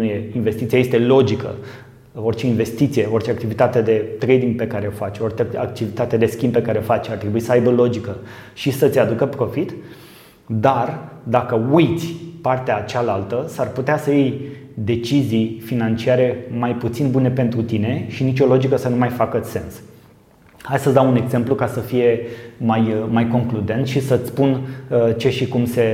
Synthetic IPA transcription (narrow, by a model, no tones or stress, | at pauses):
jeinve̞st̪it̪sijaje̞st̪e̞lo̞d͡ʒikə̰ | o̞rt͡ʃe̞inve̞st̪it̪sie̞o̞rt͡ʃe̞akt̪ivit̪at̪ed̪e̞t̪ɾejd̪iŋɡ̚pe̞kaɾeofat͡ʃʲort͡ʃeak̚t̪ivit̪at̪ed̪e̞skʲinmb̚pe̞kaɾeofat͡ʃʲart̪ɾebuisəajbəlo̞d͡ʒikəʃisət̪sʲad̪ukəpɾo̞fit̪ | d̪ard̪akəujt̪sʲpart̪eat͡ʃalalt̪əsarput̪easəjejd̪e̞t͡ʃizijfinant͡ʃiaɾe̞majput̪sinbune̞pe̞nt̪ɾut̪ine̞ʃinit͡ʃo̞lo̞d͡ʒikəsənumajfakəse̞ns | hasəsd̪aune̞ɡze̞mplukasəfije̞majmajko̞ŋklud̪e̞nt̪ʃisət̪sʲpunt͡ʃe̞ʃikumse̞